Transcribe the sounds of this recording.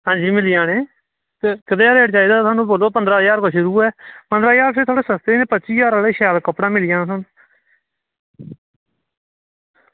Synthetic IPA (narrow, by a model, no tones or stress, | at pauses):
ɦãːd͡ʒiːmɪlɪjãːneː | t̪eːkəd̪eːɾeːʈ̚t͡ʃaːiːd̪aːt̪ʰwaːnũːboːloːpənd̪ɾaːjaːɾkoːʃʊɾuːɛːpənd̪ɾaːjaːɾpʰɪɾt̪ʰoːɽeːsəst̪eːnẽːpəʃiːjaːɾaːleːʃɛːlkəpɽãːmɪlɪjãːsə̃n